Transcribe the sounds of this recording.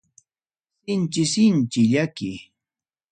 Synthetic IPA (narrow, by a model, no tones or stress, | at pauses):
sɪnt͡ʃɪsɪnt͡ʃɪʎakɪ